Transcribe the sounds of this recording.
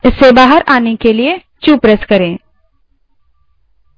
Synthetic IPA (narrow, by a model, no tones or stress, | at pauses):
ɪsːebaːɦəɾaːnekelie | t͡ʃuːpɾəskɐɾẽː